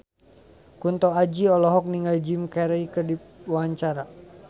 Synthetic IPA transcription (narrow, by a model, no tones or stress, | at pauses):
kunt̪ɔad͡ʒiɔlɔɦɔk̚niŋɡald͡ʒimkɛɾaikərdiwaaɲt͡ʃaɾa